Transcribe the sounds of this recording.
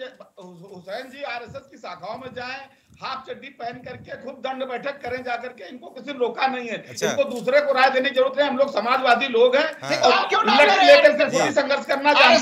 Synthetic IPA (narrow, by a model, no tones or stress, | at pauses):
ɦʊsɛːnd͡ʒiːaːɾɛːsɛskisaːkʰaːõmẽd͡ʒaːẽ | haːp̚t͡ʃɐɖːipɛɦənkɐɾkekʰʊb̚d̪ɐ̃ɳɖbɛːʈʰəkːɐɾẽd͡ʒaːkəɾkeɪnkokɪsiloːkanɐɦĩɦɛːɪnkod̪uːsɾekoɾaːjd̪eːneid͡ʒɐɾuːɾət̪ɦɛ̃ɦɐmloːɡsɐmaːd͡ʒʋaːziloːɡɦɛ̃ːɔːɾolɐleːkəɾsesʰoisɐ̃ŋɡəɾʃkɐɾnad͡ʒaːẽ